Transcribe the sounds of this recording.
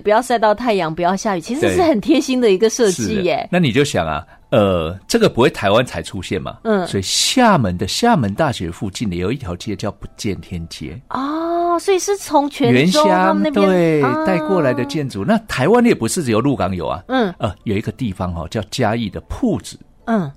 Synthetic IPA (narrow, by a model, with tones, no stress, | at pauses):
pu˧˥jɑ˥˧ʊsa˥˧ɪt̪ɑ˥˧ʊt̪ʰa˥˩ɪjɑ˧˥ŋpu˧˥jɑ˥˧ʊɕja˥˧y˨˩t͡ɕʰi˧˥ʂɻe˧˥ʂɻ̩˥˩xə˨˩nt̪ʰjɛ˥nɕi˥ŋd̪ə˨i˧˥ɡə˨ʂɤ˥˧ʂt͡ɕi˥˩ḛ˨˩na˥˩ni˨˩t͡ɕjo˥˩ʊɕjɑ̰˨˩ŋɐ̰˩ | ə˩ʈ͡ʂɤ˥˩ɡə˨˩pu˧˥xwe˥˩ɪt̪ʰa˧˥ɪwa˦nt͡sʰa˧˥ɪʈ͡ʂʰu˦ɕjɛ̰˥˩nmɐ̰˨˩˥swɔ˧˥i˨˩ɕja˥˩mə˨˦nd̪ə˨ɕja˥˩mə˨˦nt̪a˥˩ɕɥɛ̰˧˥fu˥˧t͡ɕi˥˩ni˨˦jo˨˩ʊi˥˩t̪ʰjɑ˧˥ʊt͡ɕjɛ˥˧t͡ɕjɑ˥˩ʊpu˧˦t͡ɕjɛ˥˨˩nt̪ʰjɛ˦nt͡ɕjɛ̰˧˥ɔ˥˩swɔ˧˥i˨˩ʂɻ̩˥˩t͡sʰʊ˧˥ŋt͡ɕʰɥɛ˧˥ɛ˧˦nnɕja˥ŋ˥˧t̪we˥˩ɪt̪a˥˧ɪkwɔ˥˩la˧˦ɪd̪ə˧t͡ɕjɛ˥˩nt͡su˨˩˦na˥˨t̪ʰa˧˦ɪwa˦njɛ˨˩pu˧˦ʂɻ̩˥˩˨jo˧˩ʊlu˥˩kɑ˧˥ŋjo̰˨˩ʊɐ̰˨˩n̩˥˩ə˨˩jo˨˩ʊi˧˥ɡə˧t̪i˥˩fɑ˦ŋxɔ̰˨t͡ɕjɑ˥˩ʊt͡ɕja˦i˥˩d̪ə˩pʰu˥˧˩t͡sɻ̩˨˩˦